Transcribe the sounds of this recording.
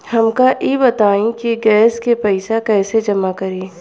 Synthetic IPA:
hɐmkaʔiːbɐt̪aːĩkiɡɛːskepɛɪsakɛːsed͡ʒɐmakɐɾeː

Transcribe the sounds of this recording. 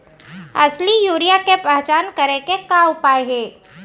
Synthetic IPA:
ɐslijuːɾijakepɛɦt͡ʃaːnkɐɾẽkekaʊpaːeɦɛː

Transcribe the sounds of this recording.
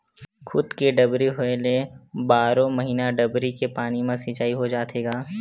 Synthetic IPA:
kʰʊd̪keɖɐbɾiɦoelebaːɾõmɐɦiːnaɖɐbɾikepaːnimẽsɪt͡ʃaːiɦod͡ʒaːt̪ʰeːɡaː

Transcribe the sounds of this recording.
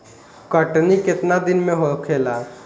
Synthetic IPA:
kəʈnikɪt̪nad̪ɪnmẽɦokʰeːla

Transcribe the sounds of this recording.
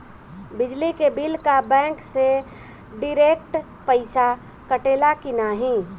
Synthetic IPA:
bɪd͡ʒlikebɪlkabɛ̃ːŋkse | ɖɪɾeːk̚ʈ | pəɪsa | kəʈeːlakɪnaɦĩ

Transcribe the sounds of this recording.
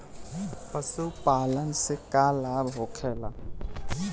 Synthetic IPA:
pəsupaːlənsekaːlaːbɦoːkʰeːla

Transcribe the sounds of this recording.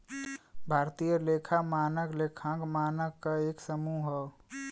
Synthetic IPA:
bʱaːɾt̪ijəlekʰamaːnəkleːkʰãkmaːnəkkːaeːksəmuɦə

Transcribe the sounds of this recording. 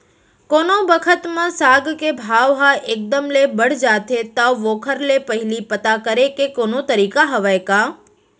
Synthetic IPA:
konobəkʰət̪mãsaɡkebʱaʋɦaʔek̚d̪əmlebəɽd͡ʒat̪ʰet̪aʋokʰəɾlepəɦilipət̪akəɾekekonot̪əɾikaɦəʋajka

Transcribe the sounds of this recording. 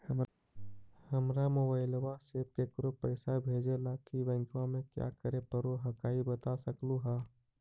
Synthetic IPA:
həm | həmɾamoːbaːɪlwaseːp̚kekɾopəɪsabʱeːd͡ʒelakibɛ̃ŋkãmẽkja̰kəɾepəɾoɦəkaːibət̪asəkluɦaː

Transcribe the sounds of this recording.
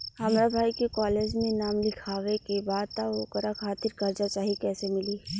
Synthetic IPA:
hɐmɾabʱaːikekɔːleːd͡ʒmẽnaːmlɪkʰaːʋekebaːd̪̚t̪aoːkəɾakʰaːt̪ɪɾkɐɾd͡ʒat͡ʃaːɦiekɛːsemɪliː

